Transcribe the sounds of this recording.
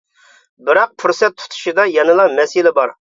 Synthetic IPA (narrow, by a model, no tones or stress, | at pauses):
bɪɾɑq̚pʰuɾsɛt̪ʰːu̥t̪ʰu̥ʃɨd̪ɑjɑnɨlˠɑmɛsɪlɪbɑɾ